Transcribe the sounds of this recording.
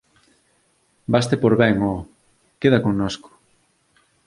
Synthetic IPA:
bast̪epoɾβɛŋɔ | keðɐkoŋnoskʊ̥

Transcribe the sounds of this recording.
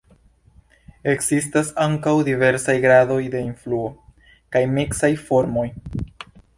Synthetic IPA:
e̞kz̥is̬tasaŋkawdive̞ɾsajɡɾado̞jde̞influo̞ | kajmiksajfo̞ɾmo̞j

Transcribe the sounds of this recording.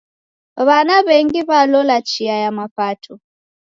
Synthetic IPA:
βanaβɛŋɡiβalɔlat͡ʃiajamapatʰu

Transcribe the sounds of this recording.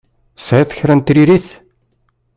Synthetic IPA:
sʕaθə̥çɾænt̪ɾiɾiθ

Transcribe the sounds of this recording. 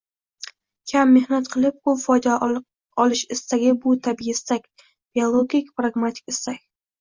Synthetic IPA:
kʲʰamːehnat̪qʰɨlˠɪp̚ʊfɒjd̪a | ɒlˠɪʃɪst̪aɡʲɪbʊt̪ʰabiɪst̪akʲ | b̥iolˠoɡʲikʲpɾaɡmat̪ʰɪ̥kʲɪst̪akʲ

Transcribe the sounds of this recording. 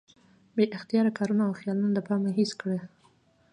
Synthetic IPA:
beʔɪxt̪ijɑɾakɑɾunaawxjɑlunod̪əpɑmeɦiskɽe

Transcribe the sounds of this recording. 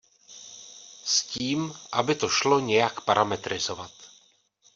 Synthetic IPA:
sciːmʔabɪt̪o̞ʃlo̞ɲɛjakpaɾʔamɛt̪ɾɪzo̞vat̪

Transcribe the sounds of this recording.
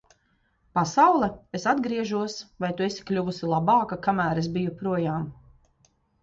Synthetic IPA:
pasawlˠɛesad̪ɡɾiɛʒuɔsvajt̪ue̞si̥klʲuvusilˠabɑːkakamæːɾesbijupɾuɔjaːm

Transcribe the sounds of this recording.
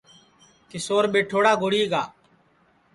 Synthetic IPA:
kesoːɾɓeːʈʰoːɽaːɡoːɽiːɡaː

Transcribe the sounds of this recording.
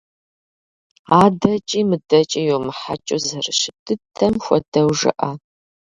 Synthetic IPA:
aːdɐt͡ʃʼiːmɨdɐt͡ʃʼɐjomɨħa̰t͡ʃʼozɐrɨʃɪtʰɨtʰɐmxʷɔdɐwʒɨ̰ʔɐ

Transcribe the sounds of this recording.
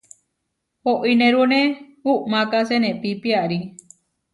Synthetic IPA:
hoʔinẽɾunẽ | uʔmãkasenẽpipiaɾi

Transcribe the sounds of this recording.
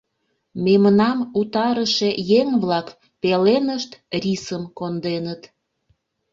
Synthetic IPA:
memnɑmut̪ɑɾəʃejeŋβlɑk | pelenəʃt̪risəmkond̪enət̪

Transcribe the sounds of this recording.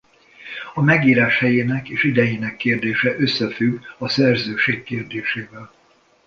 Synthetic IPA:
ɒmɛɡiːɾaːʃhɛjeːnɛkeːʃid̪ɛjeːnɛkːeːrd̪eːʃɛʔøsːɛfyɡɒsɛrzøːʃeːkːeːrd̪eːʃeːvɛl

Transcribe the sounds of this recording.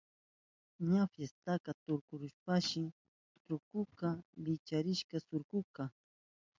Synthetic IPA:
ɲafjest̪akat̪ʊɾkʊɾʊʃpaʃɪ | t̪ɾʊkʊkalɪt͡ʃaɾɪʃkasʊɾkʊka

